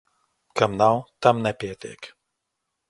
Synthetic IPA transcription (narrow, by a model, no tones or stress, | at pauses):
kɐmnawt̪ɐmnɛpʲɛt̪ḛk